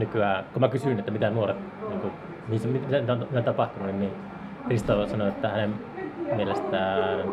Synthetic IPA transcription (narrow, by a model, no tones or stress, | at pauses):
nykyæːkomækysynet̪ːæmit̪ænuoret̪ | niːŋku | mihisæmimit̪ænit̪onmit̪æt̪ɑpɑht̪ununninnin | krist̪osɑnoet̪ːæhænem | mielest̪æːn